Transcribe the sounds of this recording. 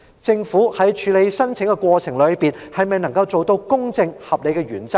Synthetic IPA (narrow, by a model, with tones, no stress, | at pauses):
t͡sɪ˧ŋfu˨˥hɐ˨˥jt͡ʃʰyː˨˧˥le˨˧jsɐ˥nt͡sʰɪ˨˥ŋkɛ˧kʷwɔː˧t͡sʰɪ˨˩ŋlɵ˨˧ɥpiː˨n | hɐ˨jmɐ˨˩jnɐ˨˩ŋkɐ˧wt͡so˨wt̪o˧wkʊ˥ŋt͡sɪ˧ŋhɐ˨p̚le˨˧jkɛ˧ɥyː˨˩nt͡sɐ˥k̚